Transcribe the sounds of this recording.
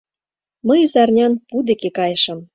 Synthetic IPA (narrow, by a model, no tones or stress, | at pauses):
məjzɑrnʲɑnpud̪ekekɑjə̆ʃə̆m